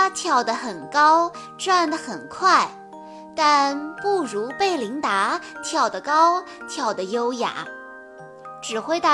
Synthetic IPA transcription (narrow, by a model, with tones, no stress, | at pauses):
t̪ʰjɑ˨˩ʊd̪ə˦xə˨˩nkɑ˥ʊ | ʈ͡ʂwa˥˩nd̪ə˩xə˨˩nkʰwa˥˩ɪ | t̪a˥˧npu˥˩ɻu˧˥pe˥˩ɪli˧˥ŋt̪a˧˥t̪ʰjɑ˨˩ʊd̪ə˦kɑ˥ʊ | t̪ʰjɑ˨˩ʊd̪ə˦jo˥ʊja̰˨˩˦ | ʈ͡ʂɻ̩˨˩xwe˥˧ɪt̪a˥˩